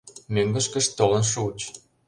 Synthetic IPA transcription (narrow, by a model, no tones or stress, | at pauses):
møŋɡə̆ʃkə̆ʃt̪olə̆nʃut͡ɕ